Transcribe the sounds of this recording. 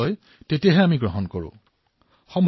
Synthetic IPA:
ɔj | tetijaɦɛamiɡɹɔɦɔnkoɹṵ̃ | xɔmbʱ

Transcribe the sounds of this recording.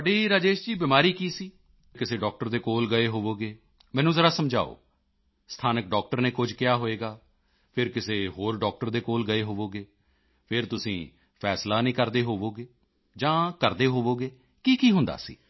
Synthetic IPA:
ɖiːɾaːd͡ʒeːʃd͡ʒiːbɪmaːɾiːkiːsiː | kɪseːɖɔːk̚ʈəɾd̪eːkoːlɡəeːɦoːʋoːɡeː | mɛ̃ːnũːzəɾaːsəmd͡ʒa̰ːo̰ː | st̪ʰaːnək̚ɖɔːk̚ʈəɾneːkʊd͡ʒkɪjaːɦoːeːɡaː | pʰɪɾkɪseːɦoːɾɖɔːk̚ʈəɾd̪eːkoːlɡəeːɦoːʋoːɡeː | pʰɪɾt̪ʊsĩː | pʰɛːslaːnĩːkəɾd̪eːɦoːʋoːɡeː | d͡ʒãːkəɾd̪eːɦoːʋoːɡeː | kiːkiːɦʊ̃nd̪a̰ːsḭː

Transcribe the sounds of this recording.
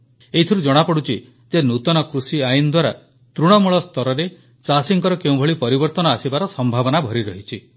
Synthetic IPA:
eɦit̪ʰiɾud͡ʒɔɽ̃apɔɽut͡ʃʰi | d͡ʒenut̪ɔnɔkɾusiajind̪waɾa̰ | t̪ɾuɽ̃ɔmuɭɔst̪ɔɾɔɾe | t͡ʃasiŋkɔɾɔkeũbʱɔɭipɔɾibɔɾt̪ɔnɔasibaɾɔsɔmbʱabɔnabʱɔɾiɾɔɦit͡ʃʰi

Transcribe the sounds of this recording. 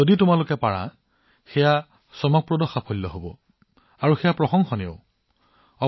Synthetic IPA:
oditʊmalʊkɛpaɹa̰ | xɛja | sɔmɔk̚pɹodɔxapʰolːɔɦobɔ̰ | aɹuxejapɹɔxɔŋxɔneʊ | ɔ

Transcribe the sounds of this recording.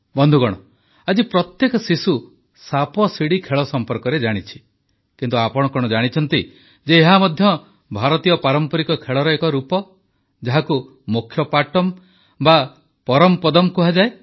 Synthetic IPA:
bɔnd̪ʱuɡɔɽ̃ɔ | ad͡ʒipɾɔt̪jekɔsisu | sapɔsiɽikʰeɭɔsɔmpɔɾkɔɾed͡ʒaɽ̃it͡ʃʰi̥ | kint̪uapɔɽ̃ɔkɔɽ̃ɔd͡ʒaɽ̃it͡ʃʰɔnt̪i | d͡ʒeːɦamɔd̪ʱjɔ | bʱaɾɔt̪ijɔpaɾɔmpɔɾikɔkʰeɭɔɾɔekɔɾupɔ | d͡ʒaɦaku | mukʰːjɔpaʈɔm | ba | pɔɾɔmpɔd̪ɔmkuɦad͡ʒae

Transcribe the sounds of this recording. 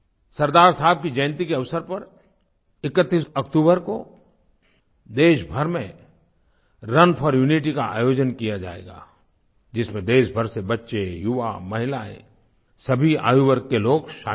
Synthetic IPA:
sɐɾd̪aːɾsaɦɪb̚kid͡ʒə̃ːnt̪ikeɐʋsəɾpɐɾ | ɪkət̪ːiːsɐkʈ̪uːbəɾko | d̪eːʃbʱɐɾmẽ | ɾɐnpʰɔɾjuːniʈ̬ikaa̰ːjoːd͡ʒənkijad͡ʒa̰ːḛːɡa̰ː | d͡ʒɪsmẽd̪eːʃbʱəɾsebɐtːʃejʊʋamɐɦɪlaḛ̃ | sɐbʱia̰ːjubəɾkeloːɡʃaː

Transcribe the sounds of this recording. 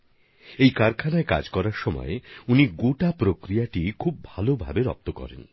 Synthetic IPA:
ejkaɾkʰanaeka̰d͡ʑkɔɾaɾʃɔmɔ̰euniɡoʈapɾokɾijaʈikʰub̚bʱalobʱa̰beɾɔ̰p̚t̪okɔ̰ɾḛn

